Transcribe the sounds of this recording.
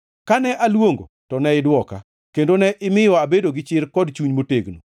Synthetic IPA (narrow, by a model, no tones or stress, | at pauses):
kanɛʔalwoŋɡo̰tɔnɛɪdwɔka̰ | kendonɛʔɪmɪjɔabedoɡɪt͡ʃɪrkɔdt͡ʃuɲmoteɡno̰